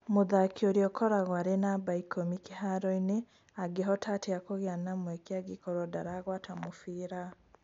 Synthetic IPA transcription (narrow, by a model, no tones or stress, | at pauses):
moðakʰioɾjɔkɔɾaɣwaɾenabaikʰɔmikeɦaɾɔine | aɡeɦɔtʰateakoɣeanamwɛkeaɡikɔɾɔdaɾaɣwatamofiɾa